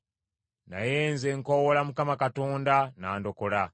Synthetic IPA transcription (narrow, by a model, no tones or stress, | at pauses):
na̰jeːnzeŋkowolamukamakatoːndanaːndo̞kola